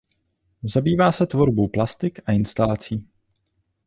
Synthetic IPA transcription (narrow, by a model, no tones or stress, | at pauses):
zabiːvaːsɛt̪vo̞ɾbowplast̪ɪkaɪnst̪alat͡siː